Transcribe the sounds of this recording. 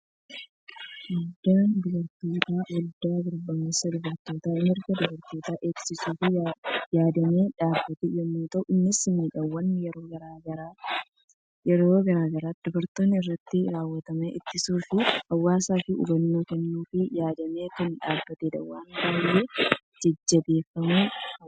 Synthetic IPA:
wɐld̪ːaːnd̪ɔbɐɾt̪ːoːt̪aːwɐld̪aːɡʊɾbɐmesɐd̪ɔbɐɾt̪ːoːt̪aːɪmɪɾɡɐd̪ɔbɐɾt̪ːo̞ːt̪aːʔe̞ːksɪsuːfɪjaːd̪ɐmeːᶑaːbːɐt̪ɛjɛmːuːt̪ɐʔʊʔɪnːɪsɪmiːᶑɐwːɐnːjɛɾoːɡɐɾaɡɐɾ | jɛɾoːɡɐɾaːɡɐɾaːd̪̥ɔbɐɾt̪o̞ːnːɪɪrːɐt̪ːɪɾaːwːɐt̪ɐmeʔɪt̪ːɪsuːfɪhɐwːaːsaːfɪʔʊ̰bɐnːoːkɛnːuːfɪjaːd̪ɐmeːkɐnᶑaːbːɐt̪ɛd̪ɐ̰waːnkɐhɐjːe | d͡ʒɐd͡ʒːɐbe̞ːfːɐmuː

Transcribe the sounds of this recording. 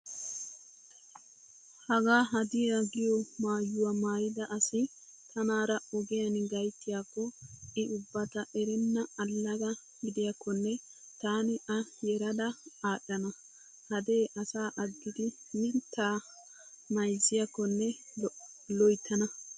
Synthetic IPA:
hɐɡaːɦɐd̪ɪjaɡɪjɔmaːjːʊwɐmaːjɪd̪ɐʔɐsɪ | t̪ʰɐnaːɾɐɔɡɛjɐnɡɐjt̪ːɪjaːkːɔɪʔʊbːɐt̪ɐʔɛɾɪnːɐːlːɐɡɐ | ɡɪd̪ɪjɐkːɔnːɛ | t̪aːnɪʔɐjɛɾɐd̪ɐaːɗːɐnɐ | hɐd̪eːʔɐsaːʔɐɡːɪd̪ɪmɪnt̪ːaː | mɐjzːɪjɐkːɔnːɛ | lɔjt̪ʰːɐnɐ

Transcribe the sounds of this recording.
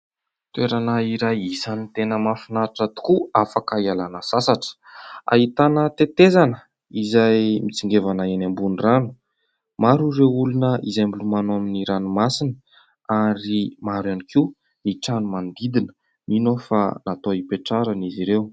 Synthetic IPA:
t̪ueɾanaiɾajisanit̪enəmafinaɾaʈ͡ʂat̪u̥kuafakaialanəsasaʈ͡ʂə̥a̰ɦit̪anət̪et̪ezanə | izajmit͡siŋɡevanaenambuniranu̥ | maɾurewulunəʔizembilumanoaminiɾanumasinə̥ | aɾimaɾanikʰi | niʈ͡ʂanumand̪id̪inə̥ | ninofa̰nat̪oipeʈ͡ʂaɾəniziɾew

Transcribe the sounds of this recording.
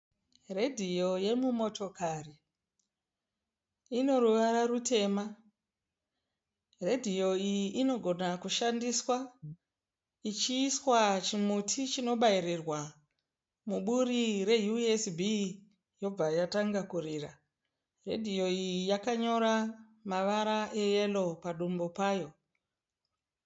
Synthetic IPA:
re̞dʱijo̞je̞mumo̞to̞kari | ino̞ruʋaɾarute̞ːma | re̞dʱijo̞ijiʔino̞ɡʱo̞nakuʃandiswa | it͡ʃiːswat͡ʃimutʰit͡ʃino̞ɓaiɾirwa | muɓurire̞juesbʱi | jo̞b͡vajataŋɡakuriːra | re̞̰dʱijo̞ijijakaɲo̞ɾa | maʋaɾaʔe̞jelo̞paɗumbo̞paːjo̞

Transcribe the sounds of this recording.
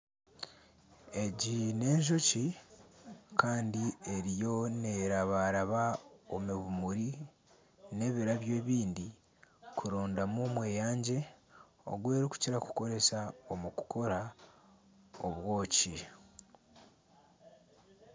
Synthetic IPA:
e̞ɟine̞ːɲʒo̞ci | kaːndie̞ɾijo̞ne̞ɾaβaɾaβao̞miβumuɾi | ne̞βiɾaβje̞ːβiːndi | kʰuɾo̞ːndamomwe̞ːjaːɲɟe̞ | o̞̰ɡwe̞ːɾiku̥ciɾaku̥ko̞ɾe̞saomuku̥ko̞ɾa | oβwo̞ːci

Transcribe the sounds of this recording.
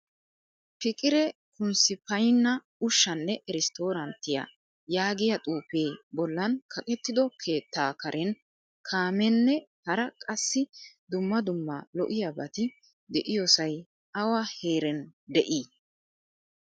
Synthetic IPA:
pɪkʼɪɾɛ | kʊnsɪpɐjnːɐ | ʊʃːɐnːɛʔɛɾɪst̪o̞ːɾɐnt̪ːɪja̰ | jaːɡɪjɐt̪ʼuːpeːbɔlːɐnkʰɐkʼɛt̪ːɪd̪ɔkʰeːt̪ːaːkɐɾʔɛn | kʰaːmɛnːɛhɐɾɐkʼɐsːɪd̪ʊmːɐd̪ʊmːɐ̰lɔ̰ʔɪjabɐt̪ɪ | d̪ɛʔɪjɔsɐj | ɐwɐheːɾɛnd̪ɛʔiː

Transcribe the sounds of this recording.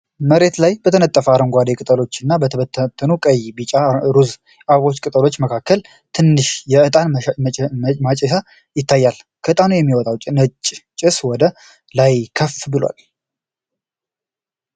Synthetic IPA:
məɾe̞t̪lajbət̪ʰənət̪ʼːəfəaɾəŋɡʷad̪ekʼɨt̪ʼəlo̞t͡ʃːɪnːabət̪ʰəβət̪ʰːət̪ʰːənukʼəjbit͡ʃʼaɾuz | ʔaβo̞t͡ʃːkʼɨt̪ʼəlot͡ʃːməkʰakːəl | t̪ʰɨnːɨʃjɛɨt̪ʼan | mat͡ʃʼɛʃa | jɪt̪ːajːal | kʰəʔɨt̪ʼanujɛmːiwɔt̪ʼawt͡ʃʼnət͡ʃʼt͡ʃʼɪswɔd̪ə | lajkʰəfbɨlwa̰l

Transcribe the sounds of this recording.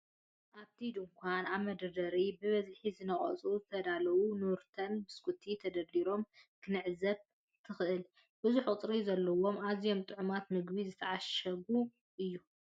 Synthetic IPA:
ʔaβt̪ʰid̪ɨŋkʷʰanaβmɐd̪ɐd̪ɐɾibɨβɐzħizɨnɐχʼɐ̰t͡sʼuzɨt̪ʰɐd̪alɐwunuɾt̪ʰɐnbɨskʰut̪ʰit̪ʰɐd̪ɐlːiɾo̞mkʰɨnɨʕzɐβ | t̪ʰɨxɨʔɨl | bɨzuħkʼʊt̪ʼɾizɐlːɐwo̞mazijo̞mt̪ʼɨʕumat̪mɨɡbizɨt̪ʰɐʕaʃɐbu | ʔɨjːu

